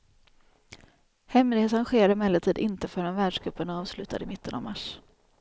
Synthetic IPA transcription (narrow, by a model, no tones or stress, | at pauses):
hɛmlɪɡeːt̪sanɧeːɾaɾəmɛlːət̪ʰiːd̪ɪnt̪əfœɾanvæːɖʂɡɾɵpːənɑːvslʉ̟ːt̪ʰad̪ɪmɪt̪ʰːəna̰vmaʂ